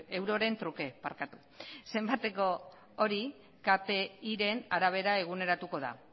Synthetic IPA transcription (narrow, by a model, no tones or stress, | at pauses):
ewɾo̞ɾe̞nt̪ɾuke̞pa̰ɾkat̪u̥ | se̞mbat̪e̞ko̞ | oɾi | kape̞iɾe̞naɾaβ̞e̞ɾae̞ɣ̞une̞ɾat̪uko̞ða̰